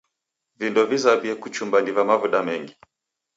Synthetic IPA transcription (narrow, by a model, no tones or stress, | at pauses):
vindɔvizaviɛkut͡ʃumbanivamavuɗamɛŋɡi